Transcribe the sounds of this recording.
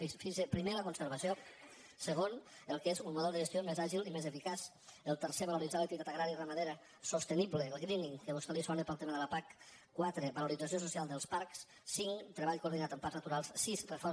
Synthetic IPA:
ifinsepɾimeləkunsəɾβəsio | səɣ̞on | əlˠkezummuðɛlˠd̪əʒəst̪iomezaʒilimezefikas | əlˠt̪əɾseβəluɾidd͡zaləkt̪it̪at̪əɣɾaɾirəməðeɾə | sost̪əniβləlˠɣɾiniŋkəβust̪elisɔnepəlˠt̪eməðəlapak | kːwat̪ɾəβəluɾid͡zəs̬iosusialˠd̪əlˠspaɾks | siŋt̪ɾəβaʎkoɾðinat̪əmpaɾznət̪uɾalˠssizrəfɔ

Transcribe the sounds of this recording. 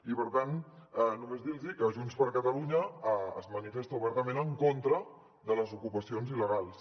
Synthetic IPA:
ipəɾt̪anɛnumezd̪ilzikəʒunspəɾkət̪əluɲəə̰zmənifest̪əuβɛɾt̪əmẽnəŋkont̪ɾə | ðələzukupəsionziləɣalˠs

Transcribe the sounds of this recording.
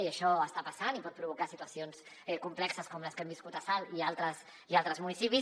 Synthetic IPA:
iəʃɔəst̪apasanipɔt̪̚pɾuβukasit̪uwasions | ɛkumplɛksəskɔmləskɛmbiskut̪asalialˠt̪ɾəs | ialˠt̪ɾəzmunisipi

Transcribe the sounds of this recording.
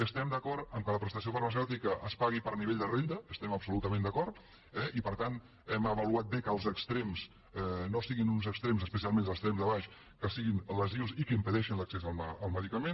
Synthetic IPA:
əst̪ɛmd̪əkɔɾt̪əmkələpɾəst̪əsiofəɾməs̬ɛwt̪ikəʔəspaɣ̞ipəɾniβeʎd̪ərend̪əːst̪ɛməbsulut̪əmẽnd̪əkɔɾt̪ | ɛʔipəɾt̪an | ɛməβəluat̪̚bekəlˠzəkst̪ɾemz | ɛnosiɣinunzəkst̪ɾemzəspəs̬ialˠmẽnd̪əkst̪ɾemzðəβaʃ | kəsiɣinləziwzikəimpəðɛʃinləksɛzəlˠməəlˠməðikəmen

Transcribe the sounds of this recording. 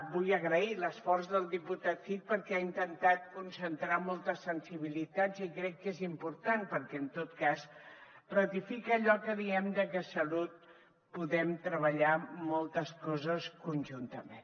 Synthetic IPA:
bujəɣɾəiləsfɔrzðəlˠd̪iput̪at̪fit̪̚pəɾkɛaint̪ənt̪at̪̚kunsənt̪ɾamɔlˠt̪əsənsiβilit̪ad͡zikɾɛkːezimpuɾt̪anpəɾkɛənt̪ot̪kas | rət̪ifikəːʎɔkəðiɛmd̪əkəsəlut̪̚ | puðɛmt̪ɾəβəʎamɔlˠt̪əskɔzəskunʲʒunt̪əmen

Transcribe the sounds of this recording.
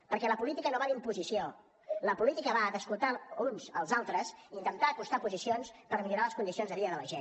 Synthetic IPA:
pəɾkɛləpulit̪ikənoβalimpuzisio | ləpulit̪ikəβaðəskulˠt̪aunzəlˠzalˠt̪ɾəsint̪ənt̪aːkust̪apuzisionspəɾmiʎuɾaləskund̪isionzðəβiəðələʒen

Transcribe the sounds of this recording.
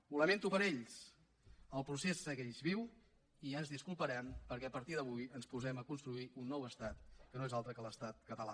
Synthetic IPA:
uləment̪upəɾeʎs | əlˠpɾusesəɣeʎzβiw | iənzðiskulˠpəɾɛmpəɾkɛəpəɾt̪iðəβujənspuzɛməkunst̪ɾuiunːɔwəst̪at̪̚kənoezalˠt̪ɾəkələst̪at̪̚kət̪əla̰

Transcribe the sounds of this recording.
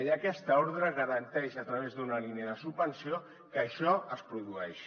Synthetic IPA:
ʎəkɛst̪əoɾðɾəɣəɾənt̪ɛʃət̪ɾəβ̞ezðunəliniəðəsub̚bənsio | kəʃɔəspɾuðuɛʃ

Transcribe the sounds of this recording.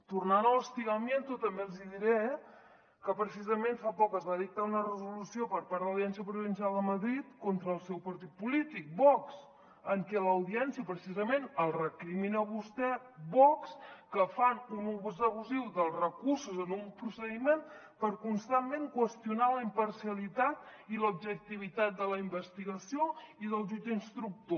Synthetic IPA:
t̪urnanələst̪iɣəmjent̪ut̪əmbeəlˠziðiɾɛ | kəpɾəsizəmenfapɔkəzβaðik̚t̪aunərəzulusiopəɾpaɾðələwðiɛnsiəpɾuβinsjalˠd̪əməðɾit̪kont̪ɾəːlˠsɛwpəɾt̪it̪̚pulit̪ik̚bɔks | əŋkɛləwðiɛnsiəpɾəsizəmenəlˠrəkɾiminəβust̪ɛ | bɔkskəfanunuβzəβuziwðəlˠzrəkursuzənumpɾusəðimen | pəɾkunst̪amːeŋkwəst̪junaləimpəɾsijəlit̪at̪̚ilub̚ʒək̚t̪iβ̞it̪at̪̚d̪ələimbəst̪iɣəsioiðəlˠʒud͡ʒəinst̪ɾuk̚t̪o

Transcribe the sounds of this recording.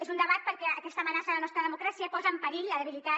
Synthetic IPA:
ezund̪əβat̪̚pəɾkɛəkɛst̪əmənasəðələnɔst̪ɾəðəmukɾasiəpɔzəːmpəɾiʎəðəβilit̪a

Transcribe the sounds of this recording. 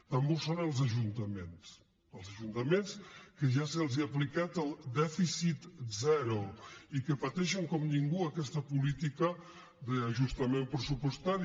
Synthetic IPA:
t̪ambosonəlˠzəʒunt̪əmens | əlˠzəʒunt̪əmenskəʒasəlˠziəplikat̪əlˠd̪ɛfisit̪zɛɾoikəpət̪ɛʃəŋkɔmniŋɡuəkɛst̪əpulit̪ikə | ðəːʒust̪əmempɾəsupust̪aɾ

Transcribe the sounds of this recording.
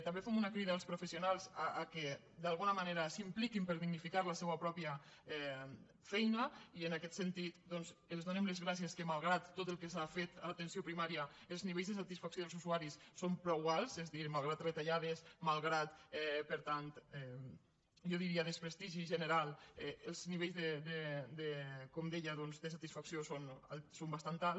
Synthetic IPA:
t̪ambefɛmunakɾiðaːlˠspɾufesionalˠzaʔːke | d̪alˠɣunɐmaneɾasimplikimpəɾðiɡnifikaɾlasɛwapɾɔpiaɛ | fɛjnəiənakɛt̪sent̪it̪d̪ɔnzəlzðonemlezɣɾas̬ieskəmalˠɣɾat̪ːot̪əlˠkesafet̪alat̪ensiopɾimaɾiaəlzniβ̞ejzðəs̬at̪isfaksoð̞əlzuzuaɾisːompɾɔiɣalˠzezðiɾmalˠɣ̞ɾat̪rət̪aʎað̞esmalˠɣɾat̪ɛpəɾt̪ant̪ɛ | ʒɔðiɾiaðəspɾest̪iʒiʒəneɾalˠɛəlˠzniβejzðed̪ed̪ekomd̪ɛʎaðɔnzd̪əsat̪isfaksiosona̰sombast̪ant̪al

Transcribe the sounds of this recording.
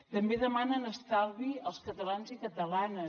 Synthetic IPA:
t̪əmbeðəmanənəst̪alˠβiəlˠskət̪əlanzikət̪əlanə

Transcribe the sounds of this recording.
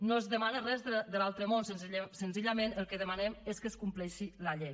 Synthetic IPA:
noəzðəmanərɛzðəd̪əlalˠt̪ɾəmonsənzisənziʎəmenəlˠkəðəmanɛmeskəskumplɛʃiləʎej

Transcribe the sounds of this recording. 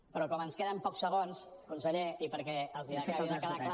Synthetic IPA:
pɾɔkɔmənskeðəmpɔksːəɣonskunsəʎeipəɾkɛəlˠziakeaakað

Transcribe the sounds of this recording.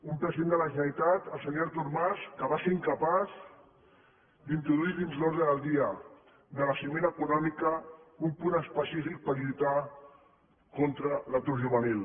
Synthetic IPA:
umpɾəziðend̪ələʒənəlit̪at̪əlˠsəɲoɾt̪uɾmaskəβaseɾiŋkəpaz | d̪int̪ɾuðuiðinzloɾðɾəðəlˠd̪iə | ðələsimenəkunɔmikəumpunəspəsifik̚pəɾʎut̪a | kont̪ɾələt̪uɾʒuβ̞ənilˠ

